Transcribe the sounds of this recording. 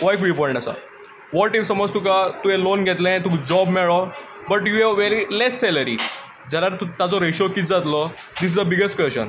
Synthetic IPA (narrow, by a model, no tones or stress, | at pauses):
ʋɔjkʋipɔɾɳasa̰ | ʋɔʈifsəmɔd͡zt̪ukat̪uɦẽlonɡʱet̪lɛ̃t̪ũkd͡zɔbmɛɭɔ | bəʈjueʋeɾilesːɛləɾḭ | d͡ʑalaɾt̪ut̪at͡sɔɾeɕokit͡sd͡zat̪lɔ | d̪is̬izd̪əbiɡesʈkʋest͡ɕə̰n